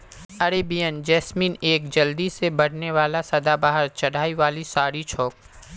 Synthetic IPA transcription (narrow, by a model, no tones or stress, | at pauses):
ɐɾeːbijənd͡ʒɛːsmiːneːkd͡ʒɐld̪isebɐɽ̤neʋaːlasɐd̪abaːɦəɾt͡ʃɐɽ̤ʱaːiʋaːlisaːɾit͡ʃʰoːk̚